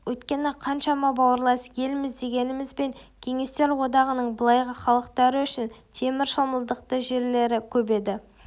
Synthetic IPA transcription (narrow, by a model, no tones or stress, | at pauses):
wɵjt̪kʲe̞nɪqʰɑnʃɑmɑbɑwəɾlˠɑsje̞lmɪzd̪e̞ɡʲe̞nɪmɪzbe̞ŋkʲʰe̞ŋe̞st̪e̞ɾwo̞d̪ɑʁənəɴbəlˠɑjʁəχɑlˠəq̚t̪ɑɾəʏʃɪnt̪ʰe̞mɪɾʃəlˠməlˠd̪əq̚t̪əʒe̞ɾle̞ɾɪkʲʰɵbe̞d̪ɪ